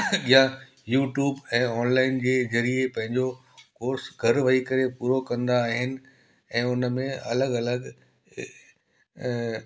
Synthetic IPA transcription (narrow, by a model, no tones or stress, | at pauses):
ɠijã | juːʈjuːbɛ̃ːɔːnlaːɪnd͡ʑeːzɐɾiepɐ̃ɦɪ̃ɲd͡ʑo | koːɾsɡʱɐɾʋɐɦikɐɾepuːɾokɐ̃nd̪aːɦɪnɪ̆ | ɛ̃ːʊnmẽɐ̰ləɠɐləɡ